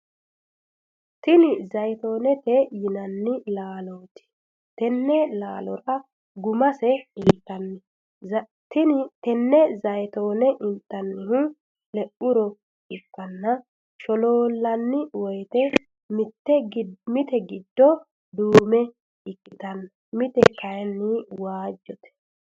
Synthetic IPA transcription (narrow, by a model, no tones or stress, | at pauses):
t̪ɪnɪzɐjt̪oːnɛt̪ɛjɪnɐnːɪlaːloːt̪ɪ̥ | t̪ɛnːɛlaːlɔɾɐ | ɡʊmɐsɛɪnt̪ːɐnːɪ | t̪ɪnɪt̪ɛnːɛzɐjt̪o̞ːnɛʔɪnt̪ʼːɐnːɪɦʊ | lɛʔʊɾɔ | ɪkːɐnːɐ | ʃɔloːlːɐnːɪwɔjt̪ɛ | mɪt̪ːɛɡmɪt̪ɛɡɪd̪ːɔ | d̪uːmɛ | ɪkʼːɪt̪ɐnːɐ | mɪt̪ɛkʰɐjɛnːɪwaːd͡ʒːɔt̪ɛ̥